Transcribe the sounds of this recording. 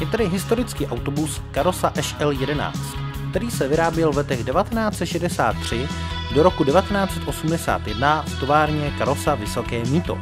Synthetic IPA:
jɛt̪ɛdɪɦɪst̪o̞ɾɪt͡skiːʔawt̪obuskaɾosaʔɛʃʔɛljɛdɛna̰ːt͡st̪kt̪ɛɾiːsɛvɪɾaːbjɛlvlɛt̪ɛɣdɛvat̪ɛnaːt͡sɛt̪ʃɛdɛsa̰ːt̪ːr̝̥ɪdoɾo̞kudɛvat̪ɛnaːt͡sɛt̪ʔo̞sumdɛsa̰ːt̪jɛdnaft̪o̞vaːɾɲɛkaɾosavɪso̞kɛːmiːt̪o̞̰

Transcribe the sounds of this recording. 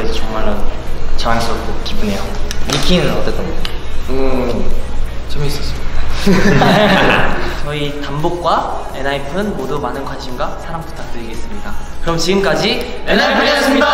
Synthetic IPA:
esʰt͡ɕʌŋmaɾɯnt͡ɕaɾaŋes͈ʌp̚k͈okibune̞jomikʰinʌt͈e̞t͈ʰʌnɯ | t͡ɕʌmis͈ʌs͈ɯmɲida | t͡ɕʌitambok̚k͈wae̞naipʰɯnmodumanɯnɡwanɕʰimɡasʰaɾampu̥tʰak̚t͈ɯɾiɡe̞s͈ɯmɲidakɯɾʌmt͡ɕiɡɯmk͈ad͡ʑienaipʰɯes͈ɯmia

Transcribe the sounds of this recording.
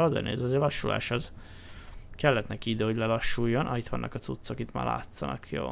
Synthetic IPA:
lɒzɛ̰nḛːzɒzeːlɒʃːulʔa̰ːʃɒz | kɛlːɛt̪nɛkiid̪øːhoɟʲlɛlɒʃːuːjːo̞nʔɒit̪ʋɒ̰nːʔɒ̰kɒt̪sut̪sːo̞kit̪ma̰ːla̰ːt̪sɒnɒ̰kʰjo̰ː

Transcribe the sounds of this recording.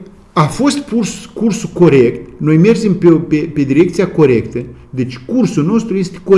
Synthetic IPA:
afo̞st̪purskursuko̞ɾe̞kt̪no̞jme̞rd͡ʒe̞mpepepe̞d̪iɾe̞k̚t̪siako̞ɾe̞kt̪ə | d̪e̞t͡ʃʲkursulno̞st̪ɾuje̞st̪e̥ko

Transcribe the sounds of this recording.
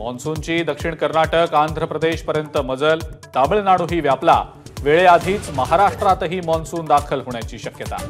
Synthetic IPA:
mɔ̰nsuɲt͡ɕiːd̪əkʂiɳkəɾnaʈəkand̪ʱɾəpɾəd̪eɕpəɾjənt̪əməd͡zəlt̪abəɭnaɽ̃uɦiːʋjapla̰ | ʋeɭead̪ʱiːt͡sməɦaɾaʂʈɾat̪əɦiːmɔnsuːnd̪akʰəlɦoɳjat͡ɕiːɕəkjət̪a̰

